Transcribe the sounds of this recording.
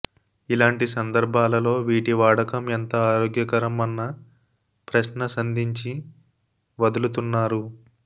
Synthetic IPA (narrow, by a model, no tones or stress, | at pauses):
ilaːɳʈisɐnd̪ɐɾbʱaːlɐlo̞ːʋiːʈiʋaːɽɐkɐment̪ɐaːɾoːɡjɐkɐɾɐmɐnːɐ | pɾɐʃnɐsɐnd̪ʱiɲt͡ʃi | ʋɐd̪ulut̪unːaːɾu